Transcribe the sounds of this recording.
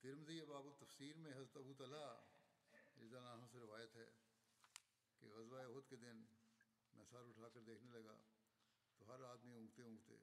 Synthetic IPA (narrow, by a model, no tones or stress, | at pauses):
t̪ɪɾmziebaːbʊt̪ːɐfsiːɾmẽɦɐzɾət̪ɐbut̪ɐla | ɪzaːnaːnõseɾɪʋaːjət̪ɦɛ̰ː | kḛɣɐzʋaeoɦt̪ked̪ɪnː | ɐsaːɾʊʈʰaːkɐɾd̪eːkʰnelɐɡa̰ː | t̪oɦɐɾaːd̪miʊ̃ːɡt̪eɦʊ̃ːɡt̪ḛː